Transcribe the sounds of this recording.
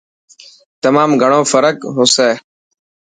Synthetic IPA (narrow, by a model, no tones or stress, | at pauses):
t̪əmaːmɡʱəɳ̃oːfəɾəkɦoːseː